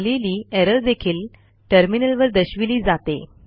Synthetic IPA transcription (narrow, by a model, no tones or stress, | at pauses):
liliːeɾəɾd̪ekʰiːl | ʈəɾminəlʋəɾd̪əɕʋiliːd͡zat̪ḛ